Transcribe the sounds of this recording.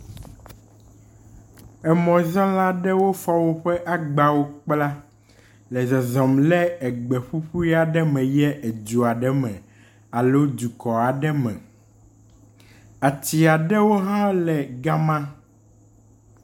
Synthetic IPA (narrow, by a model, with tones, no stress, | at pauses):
ɛ˨mɔ̃˨zɔ̃˦la˦ɖɛ˦wo˦fɔ˦wo˦ɸɛ˦ʔa˨ɡ͡ba˦wo˦k͡pla˦ | lɛ˨zɛ˨zɔ˨mlɛ˦ɛ˨ɡ͡bɛ˨ɸu˦ɸu˦i˦a˨ɖɛ˦mɛ̃˨jɛ˦ʔɛ˨d͡ʒu˨a˨ɖɛ˦mɛ̰̃˨ | a˨lo˦d̪u˨kɔ˨a˨ɖɛ˦mɛ̰̃˨ | a˨t̪i˨a˨ɖɛ˦wo˦ɦã˦lɛ˨ɡa˦mã˦